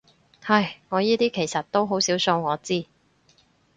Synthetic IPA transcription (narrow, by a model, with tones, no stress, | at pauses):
hɐ˨jŋɔː˨˧jiː˥t̪iː˥kʰe˨˩jsɐ˨t̚t̪o˥wɦo˨˥wsiː˨˥wso˧wŋɔː˨˧t͡siː˥˩